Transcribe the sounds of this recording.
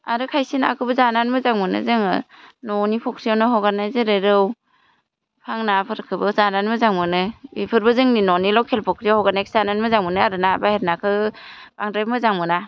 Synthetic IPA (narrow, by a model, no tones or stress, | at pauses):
aɾɯkʰajsina̰kʰɯbɯzananmɯzaŋmɯnɯ̰zɯŋɯ̰nɔnipʰɔkʰɾijawnɯɦɔɡanajzɯɾeɾɯw | pʰaŋnapʰɯɾkʰɯbɯzananmɯzaŋmɯnɯipʰɯɾbɯzɯŋninɔnilɔwkʰelpʰɔkʰɾijahɔɡanajkʰi̥zananmɯzaŋmɯnɯaɾɯnabaheɾnakʰɯb̥aŋdɾajpmɯzaŋmɯna